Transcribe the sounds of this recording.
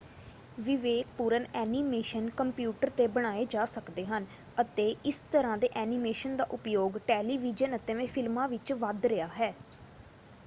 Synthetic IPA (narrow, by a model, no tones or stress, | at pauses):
ʋɪʋeːk̚puːɾənɛːniːmeːʃənkəmpjuːʈəɾt̪eːbəɽ̃aːeːd͡ʒaːsəkd̪eːɦən | ət̪eːɪst̪əɾãːd̪eːʔɛːnimeːʃənd̪a̰ːʔʊpjoːɡʈɛːliːʋɪd͡ʒənət̪ẽːʋẽːpʰɪlmãːʋɪt͡ʃʋəd̪ɾəjaːɦɛː